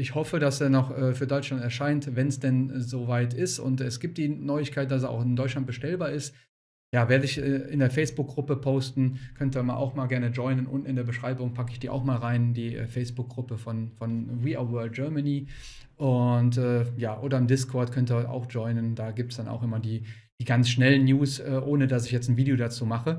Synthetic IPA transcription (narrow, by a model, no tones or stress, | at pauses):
ʔɪçhɔfədasenɔxʔɛːfyːɐdɔʏt͡ʃlantɛɐʃaɪntvɛnsd̥ɛnzoːvaɪtɪstʊ̰ntɛsɡ̥iːp̚td̥iːnɔʏɪçkʰaɪt̚d̥as̬ːa̰ʊxɪndɔʏt͡ʃlant̚bəʃtɛlbaːɐɪst | jaːveːɐdəɪçɛʔɪndeːɐfɛɪsb̥ʊk̚ɡ̥ʁʊpəpʰoʊstn̩kʰœntəmaːlʔa̰ʊxmaːlɡɛɐnəd͡ʒɔʏnənʔʊ̰ntn̩ɪndeːɐbəʃʁ̥aɪbʊŋpʰakəɪçd̥iːʔa̰ʊxmaːlʁaɪndiːʔɛ̰ːfɛɪsb̥ʊk̚ɡʁʊpəfɔnfɔnʁiːa̰wœɐlt̚ɡ̥œɐmaniː | ʔʊntʔɛːjaːʔoːdɐɪmdɪskʰɔɐtkʰœntəa̰ʊxd͡ʒɔʏnəndaːɡiːp̚tsd̥ana̰ʊxʔɪmɐdiː | d̥iːɡansʃnɛlənːjuːsʔɛːʔoːnədasɪçjɛt͡sn̩viːdejodat͡suːmaχə